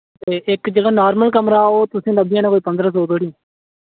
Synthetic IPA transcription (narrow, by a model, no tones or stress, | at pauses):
t̪eːʔɪkd͡ʒəɡaːnaːɾməlkəmɾaːoːt̪ʊsĩːnəbɪjãːnaːkoːiːpə̃nd̪ɾaːsoːbeːɽĩː